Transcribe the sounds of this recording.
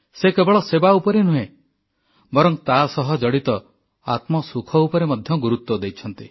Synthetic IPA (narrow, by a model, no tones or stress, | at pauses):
sekebɔɭɔsebaupɔɾenuɦẽ | bɔɾɔŋt̪asɔɦɔd͡ʒɔɽit̪ɔ | a̰t̪mɔsukʰɔupɔɾemɔd̪ʱjɔɡuɾut̪wɔd̪ejt͡ʃʰɔnt̪i